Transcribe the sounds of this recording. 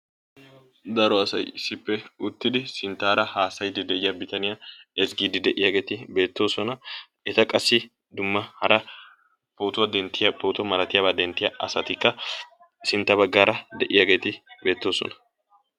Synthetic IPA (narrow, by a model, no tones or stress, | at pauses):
d̪ɐɾɔɐsɐ̰jɪsːɪpːɛʊt̪ːɪd̪ɪsɪnt̪ːaːɾɐhaːsɐjɪd̪ɪd̪ɛʔɪjɐbɪt̪ɐnɪjaɛsɡiːd̪ɪd̪ɛʔɪjaːɡe̞ːt̪ɪbe̞ːt̪ːo̞ːsɔnɐ | ɛt̪ɐkʼɐsːɪ | d̪ʊmːɐhɐɾɐ | poːt̪ʊwɐd̪ɛnt̪ːɪjɐpʰoːt̪ɐmɐɾɐt̪ɪjaːbaːd̪ɛnt̪ːɪjɐʔɐsɐt̪ɪkːɐ | sɪnt̪ːɐbɐɡːaːɾɐd̪ɛʔɪjaːɡe̞ːt̪ɪbe̞ːt̪ːo̞ːsɔ̰nɐ̥